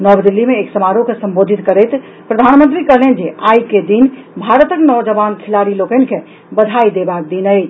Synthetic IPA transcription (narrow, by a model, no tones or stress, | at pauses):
nəbd̪ilːimeːksəmaɾukesəmbod̪ʱit̪kəɾəjt̪ | pɾəd̪ʱanmənt̪ɾikəɦlend͡ʒeʔajked̪inbʱaɾət̪əknəwd͡ʒəbankʰilaɾilokənke | bəd̪ʱaid̪ebak̚d̪inəjt͡ʃʰ